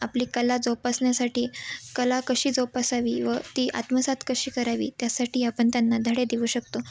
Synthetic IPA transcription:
apliːkəlad͡zopasɳjasaʈʰiːkəlakəɕiːd͡zopasaʋiːʋət̪iːʔa̰t̪məsat̪kəɕiːkəɾaʋḭːt̪jasaʈʰiːapəɳt̪janːad̪ʱəɽed̪iʋuːɕəkt̪o

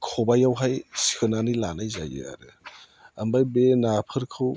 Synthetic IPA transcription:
kʰɔbajawɦajsi̥kʰɯnanilanajza̰jɯ̰a̰ɾɯ | ambajbenapʰɯɾkʰɯw

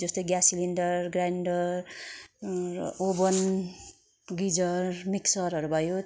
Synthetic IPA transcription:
d͡zʌst̪ojɡjasiliɳɖʌrɡraɳɖʌr | obʌn | ɡid͡zʌrmiksʌɾʌɾubʱʌjo

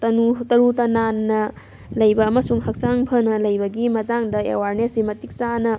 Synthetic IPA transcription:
tɐnutɐɾutɐnanːɐ | lɐjbɐːmɐsuŋhɐk̚saŋpʰɐnɐlɐjbɐɡimɐtaŋdɐḛwaɾnesimɐtik̚sanɐ

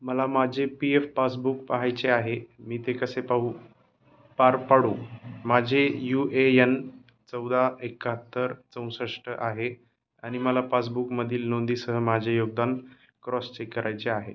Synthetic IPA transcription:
məlamad͡ʑʱepiefpasbukpəɦajt͡ɕeaɦemiːt̪ekəsepaɦu | paɾpaɽõmad͡ʑʱejueən | t͡səwd̪aekaɦət̪ːəɾt͡sə̃w̃səʂʈəʔaɦe | aɽ̃iməlapas̬bukməd̪ʱiːlnond̪iːsəɦəmad͡ʑʱejoɡ̚d̪an | kɾɔst͡ɕekːəɾʔajt͡seaɦe

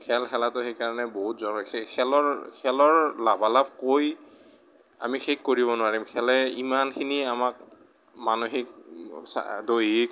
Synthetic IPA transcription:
kʰɛlxɛlatʊxejkaɹɔnɛboɦutzɔnɔkʰekʰɛlɔɹkʰɛlɔɹlabalab̚koj | a̰mixʰekːoɹibɔnʊaɹimkʰɛlɛimankʰiniamak̚ | manoxik̚sa̰dojik

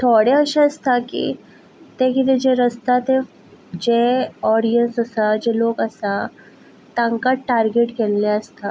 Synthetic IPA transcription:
t̪ʰoɽeəʃaəst̪ʰakḭ | t̪ekit̪ed͡ʒeɾəst̪at̪e | d͡ʒeɔːɽijənsəsad͡ʒeloːɡəsa | t̪ãŋkaʈaɾɡeʈkɛlːeəst̪a

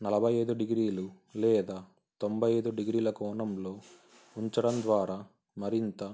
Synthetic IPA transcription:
nɐlɐbʱɐjɐjd̪uɖiɡɾiːlu | lɛːd̪aː | t̪o̞mbʱɐjɐjd̪uɖiɡɾiːlɐkɔːɳɐmlo̞ː | uɲt͡ʃɐɽɐnd̪ʋaːɾaː | mɐɾint̪ɐ

